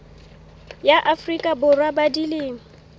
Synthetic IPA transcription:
jaʔafrikʼabʊrwabadilɪːŋ̩

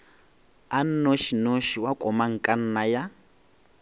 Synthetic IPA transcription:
an̩noʃinoʃiwakʼɔmaŋ̩kʼan̩naja

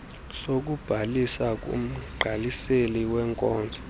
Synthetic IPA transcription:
sok̬ub̥ʱalisak̬ʼṵm̩ɡ͡ǃʱaliseliwɛŋkʼɔːnd͡zʱɔ̥

